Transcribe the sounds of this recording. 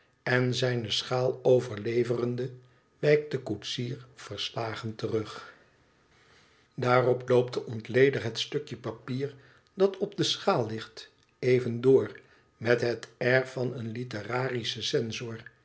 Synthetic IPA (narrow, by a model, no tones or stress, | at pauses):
ɛnzɛjnəsχaːlˠowvəɹlejvərəndə | ʋɛjk̚dəkutsiːɹfəɹslaːχəntərɵχ | daːrɔplowp̚təʔɔntlejdəχɦətstɵkjəpapiːɹ | dɑtʰɔb̚dəsχaːlˠːɪχt | ejvəndʊːr | mɛtɦətɛɹfɑnənlitəraːrisəsɛnzɔːɹ